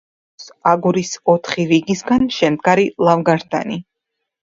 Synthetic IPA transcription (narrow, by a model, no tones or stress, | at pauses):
saɡuɾisɔt̪ʰχiɾiɡisɡanʃɛmd̪̚ɡaɾilˠavɡaɾd̪a̰ni